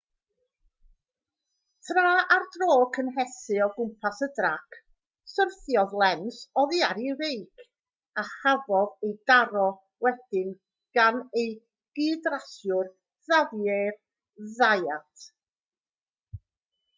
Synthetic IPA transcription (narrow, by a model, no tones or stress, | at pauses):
tʰraːardroːkʰənɦɛsɨɔɡʊmpʰasədrakʰ | sərθjɔðlˠɛnsɔðiaɾirejkʰ | ahavɔðejdaɾɔ | wɛd̥ɪn | ɡ̥anej | ɡ̥ɨːdrasjʊr | ðavjer | ðajatʰ